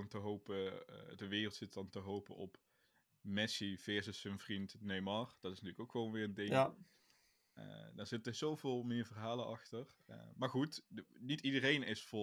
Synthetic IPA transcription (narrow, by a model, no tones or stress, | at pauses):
ntəɦowpə̰dəʋɪːrəlˠtsɪtdɑntəɦowpə̰ɔp | mɛsivɛːɹzəsənvrintnejmɑrd̥ɑtɪsntyːləkowkxəʋownʋɪːrəndɪŋ | ə̰daːɹz̥ɪtəzowvɪːlˠmɪːɹvərɦaːlənɑxtərmaːɹxutnitidərejnɪsfʊ